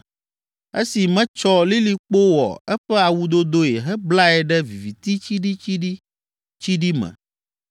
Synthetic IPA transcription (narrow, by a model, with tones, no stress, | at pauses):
e˦si˨mɛ̃˦t͡ʃɔ˦li˦li˦k͡po˦wɔ̰˨ɛ˦ɸɛ˦a˨wu˦d̪o˦d̪o˦je˨ɦɛ˦bla˦ɛ˨ɖɛ˦vi˨vi˨t̪i˦t͡ɕi˦ɖi˦t͡ɕi˦ɖi˦ | t͡ʃi˦ɖi˦mɛ̰̃˨